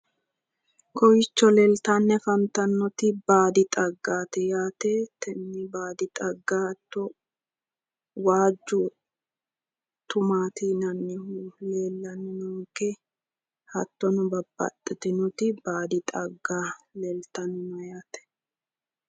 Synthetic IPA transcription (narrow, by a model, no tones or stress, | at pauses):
kɔjɪt͡ʃːɔlɛlt̪anːɛfɐnt̪ɐnːɔt̪ɪbaːd̪ɪt̪ʼɐɡːaːt̪ɛjaːt̪ɛt̪ʰɛnːɪbaːd̪ɪt̪ʼɐɡːahɐt̪ːɔ | waːd͡ʒːʊ | t̪ʊmaːt̪inɐnːɪhule̞ːlːɐnɪnɔŋkɛ | hɐt̪ːɔnʊbɐbːɐ̰t̪ʼːɪt̪ɪnɔt̪ɪbaːd̪ɪt̪ʼɐɡːaːlɛlt̪ɐnɪnɔjaːt̪ɛ̥